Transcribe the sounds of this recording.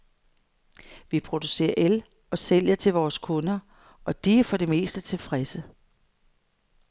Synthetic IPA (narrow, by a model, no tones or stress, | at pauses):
ʋipʰʁo̝d̥use̝̰ːɐʔel | ɒ̽sel̰jɐt͡sʰe̝lʋɒːskʰɔ̽nɐ | ʔɒ̽d̥ifɒ̽ɾ̥e̝me̝̰ːsd̥ət͡sʰe̝fʁɛsə